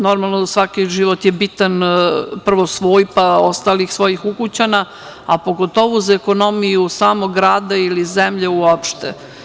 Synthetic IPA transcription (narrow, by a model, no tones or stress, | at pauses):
no̞ɾmalˠnoasʋakiʒiʋot̪jebit̪anpr̩ʋosʋoːjpaost̪aːlixsʋo̞jixukut͡ɕana | apo̞ɡot̪o̞ʋuzaeko̞no̞mijusaːmoɡɾaːd̪ailizemʎeuopʃt̪e